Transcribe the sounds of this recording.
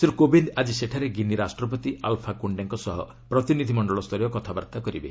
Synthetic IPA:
seɾukobʱind̪ad͡ʒiseʈʰaɾeɡiniɾasʈɾɔp̬ɔt̪iʔa̰lpʰakuɳɖeŋkɔsɔɦɔ | pɾɔt̪inid̪ʱimɔɳɖɔɭɔst̪ʰɔɾjɔkɔt̪ʰabaɾt̪akɔɾibḛ

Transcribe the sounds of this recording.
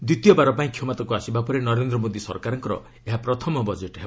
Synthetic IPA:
d̪it̪ijɔbaɾɔpaĩkʰjɔmat̪akuasibapɔɾenɔɾend̪ɾɔmod̪isɔ̰ɾkaɾɔŋkɔɾɔ̰ | eɦapɾɔt̪ʰɔmɔbɔd͡ʒeʈɦeb

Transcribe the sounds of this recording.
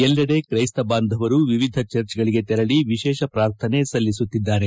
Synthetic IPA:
ɛlːɐɽe̞kɾɐjst̪ɐbaːnd̪ʱɐʋɐɾuʋiʋid̪ʱɐt͡ʃɐɾt͡ʃɡɐɭiɡe̞t̪ɛɾɐɽiʋiʃɛːʃɐpɾaːɾt̪ʰɐne̞sɐlːisut̪ːid̪ːaːɾe̞

